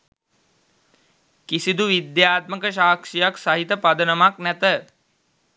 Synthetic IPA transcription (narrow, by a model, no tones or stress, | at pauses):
kisid̪uʋid̪jaːt̪̚məkəʃaːkʂijaksaɦit̪əpad̪ənəmaknæt̪ə